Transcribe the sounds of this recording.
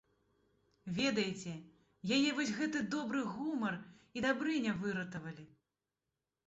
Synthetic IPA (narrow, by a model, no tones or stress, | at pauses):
vʲɛd̪ɐjt͡sʲɛ | jajɛvɔsʲɣɛt̪ɨd̪ɔbɾɨɣumɐrid̪abɾɨnʲɛvɨɾɐt̪ɐvɐlʲi